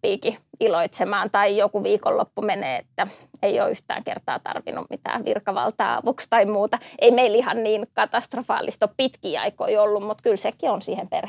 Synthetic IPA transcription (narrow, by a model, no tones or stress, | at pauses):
piːkiiloit̪semɑːnt̪ɑijokuʋiːko̰lːo̰pːumenḛːet̪ːæeio̰ːyht̪æ̰ːŋkḛrt̪ɑ̰ːt̪ɑ̰rʋḭnːṵmmit̪æ̰ːʋḭrkɑʋɑ̰lt̪ɑːɑ̰ʋukst̪ɑimuːt̪ɑeimeilihɑnniːnkɑt̪ɑst̪rofɑ̰ːlʔist̪oppit̪kiːɑ̰ikoiolːummut̪kylsekionsiːhemperh